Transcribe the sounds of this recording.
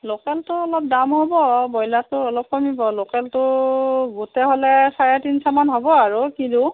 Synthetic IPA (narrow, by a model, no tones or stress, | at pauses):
lokɛltʊɔlɔp̚damɦobɔbɔjlatʊɔlɔp̚kɔmibɔlokɛltʊɡutɛɦolɛsajatinsamanɦobɔaɹukidu